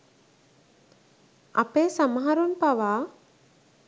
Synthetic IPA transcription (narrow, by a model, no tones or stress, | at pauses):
a̰peːsamɦaɾunpaʋaː